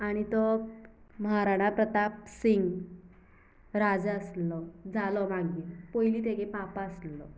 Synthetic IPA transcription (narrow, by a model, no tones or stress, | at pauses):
aɽ̃it̪ɔ | məɦaɾaɽ̃apɾət̪apsiŋɡ | ɾad͡zəslɔd͡zʱalɔʋãɡiːlpoiliːt̪̬eɡepapaəslɔ̰